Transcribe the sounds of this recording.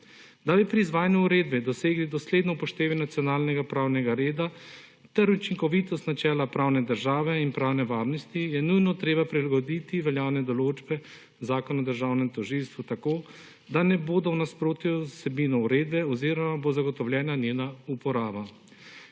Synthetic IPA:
d̪abipɾiːzʋaːjanuuɾeːd̪bɛd̪ɔseːɡlid̪ɔsleːd̪nɔpɔʃt̪eːʋɛnat̪sijɔnaːlnɛɡapɾaːwnɛɡaɾeːd̪a | t̪ɛɾut͡ʃiŋkɔʋit̪ɔst̪nat͡ʃɛːlapɾaːwnɛd̪əɾʒaːʋɛinpɾaːwnɛʋaːɾnɔst̪ijɛnujnɔt̪ɾeːbapɾilaɡɔd̪it̪iʋɛljaːwnɛd̪ɔloːd͡ʒbɛ | zaːkɔnaɔd̪əɾʒaːwnɛmt̪ɔʒilst̪ʋut̪akoː | d̪anɛboːd̪ɔwnaspɾoːt̪jusɛbiːnɔuɾeːd̪bɛɔziːɾɔmabozaɡɔt̪ɔwlʲjɛːnanjeːnaupɔɾaːba

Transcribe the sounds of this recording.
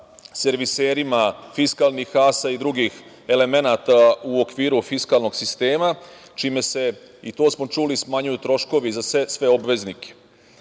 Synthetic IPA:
se̞ɾʋiseːɾimafiskaːlˠnixaːsaid̪ɾuɡix | e̞le̞me̞naːt̪auokʋiːɾufiskaːlˠno̞ɡsist̪e̞ːma | t͡ʃime̞se̞ | it̪o̞ːsmo̞t͡ʃulismaɲujut̪ɾo̞ʃko̞ʋizasesʋe̞o̞bʋeznike̥

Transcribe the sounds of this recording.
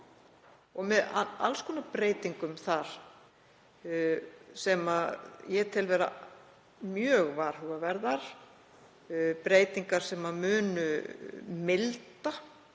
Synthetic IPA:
ɔɣmɛðaa̰lskʰɔːnapɾeːjt̪iŋkʏmθaɾ̥ | sɛmajɛt̪ʰɪlvɛɾa̰ | mjœːɣvaɾ̥hʏɣavɛɾðaɾ̥ | pɾeːjt̪iŋkaɾ̥sɛmamʏːnʏ | mɪlt̪a

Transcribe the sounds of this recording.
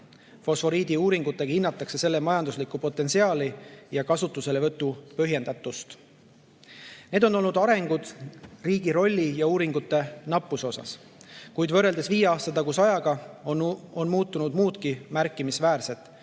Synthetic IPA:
fo̞sfo̞ɾiːd̪̥iuːɾiŋɡut̪ːˑekhinːɑt̪ːˑɑkse̞se̞lːe̞mɑjɑnd̪uslikːupo̞t̪ːˑe̞nsiɑːlijɑkɑsut̪ːˑuse̞le̞vɤt̪ːˑupøɦje̞nd̪ɑt̪ːˑust̪ | ne̞ːd̪o̞no̞lnud̪̥ɑɾe̞ŋɡ̥ud̪̥riːɡiɾo̞lʲːijɑuːɾiŋɡ̥ut̪ːˑe̞nɑpːˑuso̞sɑ̰s | kujd̪vɤ̞rːe̞ld̪e̞sviːjeɑːst̪ɑt̪ɑɡusɑjɑɡ̥ɑoo̞nmuːt̪ːˑunud̪̥muːt̪kimærkːˑimisvæːrse̞t̪ːˑ

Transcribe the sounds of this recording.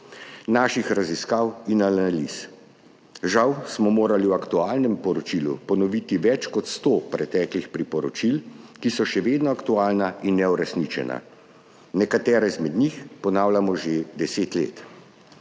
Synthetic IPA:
naːʃixɾaziskaːwinalalis | ʒawsmɔmoːɾaliwakt̪uaːlnɛmpɔɾɔt͡ʃilupɔnɔʋit̪iʋɛt͡ʃkɔt̪st̪oːpɾɛt̪ɛːklixpɾipɔɾɔt͡ʃilkisɔʃɛʋeːd̪nɔakt̪uaːlnainːɛuɾɛsnit͡ʃɛ̰nʔa̰ | nɛkat̪ɛːɾɛzmɛd̪nixpɔnaːwlamɔʒed̪ɛseːt̪lḛːt̪

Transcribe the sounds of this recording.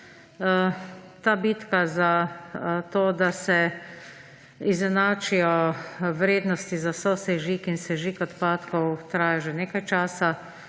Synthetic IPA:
t̪aːbit̪kaza | t̪oːd̪asɛ | izɛnaːt͡ʃijɔʋɾeːd̪nɔst̪izasɔsɛʒikinsɛʒiːkɔt̪paːt̪kɔwt̪ɾaːjaʒɛneːkajt͡ʃaːsa

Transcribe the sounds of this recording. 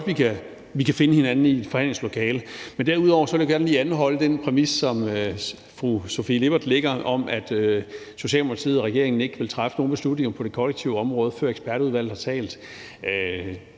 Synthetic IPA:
ɒdʋikʰæ | ʋikʰæfe̝nəhe̝nænn̩id̥fɒ̽hænle̝ŋslo̝kʰɛːləmend̥æɐuð̞ˠɒʊ̰ɐsɒ̽eljaɡ̥æɐnliːænɦɒ̽ləd̥enpʰʁɛmissɒ̽mø | fʁuso̝file̝b̥ɐd̥le̝ɡ̥ɐʔɒ̽mæd̥ | so̝ɕɛ̰ːlmokʰɑ̈t͡sʰḭð̩ˠɒʁɛɡ̥e̝̰ɐeŋn̩e̝ɡ̥əʋe̝lt͡sʰʁafəno̝ːn̩be̝slud̥ne̝ŋɐpʰɒ̽ɾ̥e̝kʰɒ̽leɡ̥̚t͡sʰiʊɒ̽mʁɔ̽ːð̞̩ˠfɶɐeɡ̥sb̥æɐɾəuðˠʋæl̰ð̩ˠhɑ̈t͡sʰɛ̰ːld̥ | ø

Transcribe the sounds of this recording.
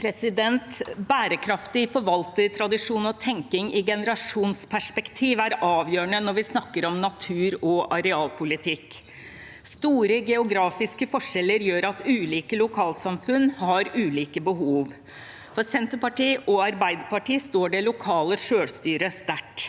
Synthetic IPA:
pʰɾɛsɪd̪ɛnt̪bæːɾəkʰɾɑft̪ɪfɔɾʋɑlt̪əɾt̪ʰɾɑd̪ɪʂuːnɔt̪ʰɛŋkɪŋɪɡɛnəɾɑʂuːnspʰæʂpɛkt̪ʰiːʋæɾɑːʋjøːɳənɔɾʋɪsnɑkːəɾɔmnɑt̪ʰʉːɾɔʔɑɾɛɑːlpʰʊlɪt̪ʰɪkː | st̪uːɾəɡɛʊɡɾɑːfɪskəfɔʂɛlːəɾjøːɾɑt̪ʉːliːkəlʊkʰɑːlsɑmfʉnːhɑɾʉːliːkəbəɦuːʋ | fɔɾsɛnt̪əɾpɑʈiːʔɔɑɾbæɪd̪əpɑʈiːst̪oːɖɛlʊkʰɑːləʂøːɽst̪yːɾəst̪æʈː

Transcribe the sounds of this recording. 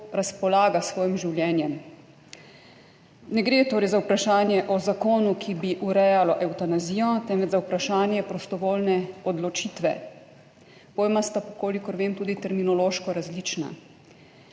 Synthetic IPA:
ɾaspɔlaːɡasʋɔːjimʒiwljɛːnjɛm | nɛɡɾeːt̪oːɾɛjzaupɾaʃaːnjɛʔɔzakoːnukʰibiʔuɾɛjalɔʔɛwt̪anaziːjɔt̪ɛnʋɛd͡ʒzaupɾaʃaːnjɛpɾɔst̪ɔʋoːlnɛɔd̪lɔt͡ʃiːt̪ʋɛ̰ | poːjmast̪apɔkoːlikɔɾʋeːmt̪uːd̪it̪ɛɾminɔloːʃkɔɾazlit͡ʃna̰

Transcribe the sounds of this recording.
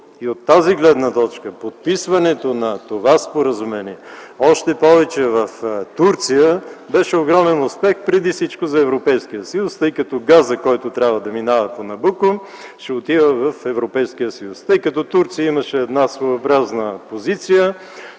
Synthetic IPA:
iot̪ːaziɡlɛd̪nət̪ɔt͡ʃkəpot̪̚pisvɐnɛt̪onɐt̪ovaspoɾɐzʊmɛniɛɔʃt̪ɛpɔvɛt͡ʃɛvɐft̪uɾt̪sijəbɛʃɛoɡɾɔmɛnʊspɛxpɾɛd̪ifsit͡ʃkʊzɐɛvɾopɛjskijəsəjust̪əjkɐt̪ɔɡazəkɔjt̪ʊt̪ɾʲabvəd̪ɐminavɐponɐbukʊ | ʃɛot̪ivəvɐfɛvɾopɛjskijəsɐjust̪ɤjkɐt̪ɔt̪uɾt̪sijəimɐʃɛːd̪nasvojobɾaznəpozit̪sijə

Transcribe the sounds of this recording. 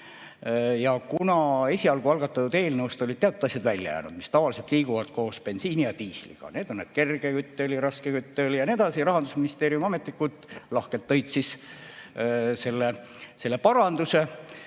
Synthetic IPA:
jɑkunɑe̞sʲiɑlɡuɑlɡ̥ɑt̪ːɑt̪ːud̪e̞ːlnəuwst̪olid̪̚t̪ːeɑt̪ˑud̪ɑsʲjɑd̪vælʲːjɑ̰jæ̰ːnṵd̪̥mist̪ɑvɑlise̞lt̪liːɡuvɑt̪̚ko̞ːspe̞nsiːnijɑt̪iːslḭɡ̥ɑ̰ne̞ːd̪o̞nned̥̪̚ke̞rɡ̥ekyt̪ːeliɾɑskekyt̪ːeljɑned̪̥ɑsiɾɑɦɑnd̪̥usminist̪e̞ːɾijumɑme̞t̪ːikːˑut̪ˑlɑhkelt̪ːɤjt̪sis | se̞lːe | se̞lːe̞pɑɾɑnd̪̥use

